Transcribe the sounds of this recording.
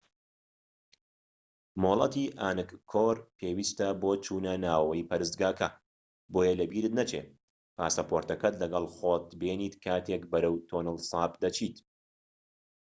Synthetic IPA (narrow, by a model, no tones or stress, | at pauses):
moːlˠɐt̪iːʔaːnɨkkʰːoːɾpʰeːwiːst̪ɐboːt͡ʃʰuːnɐnaːwɐwɐjpɐɾɨst̪ɡaːkʰɐ | boːjɐlɐbiːɾɨt̪̚nɐt͡ʃḛ | pʰa̰ːsɐpoːɾt̪ɐkɐt̪lɐɡɐlˠχoːt̪beːniːt̪kʰaːt̪ʰeːkbɐɾɐwt̪ʰoːnɨlsɑːpd̪ɐt͡ʃʰiːt̪